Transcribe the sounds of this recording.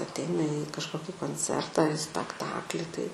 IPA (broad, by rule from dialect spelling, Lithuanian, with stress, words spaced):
ɐˈtʲɛɪnɐ iː kɐʃˈkoːkʲɪ koːnʲˈt͡sʲɛrtɐ ɐr ɪ sʲpʲɛkˈtɑːklʲɪ ˈtɐɪ